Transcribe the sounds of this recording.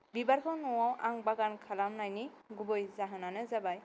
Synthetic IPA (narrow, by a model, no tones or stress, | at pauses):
bibaɾkʰɔwnɔwawʔa̰ŋbaɡankʰalamnajniɡubɔjzaɦɯnanɯzabaj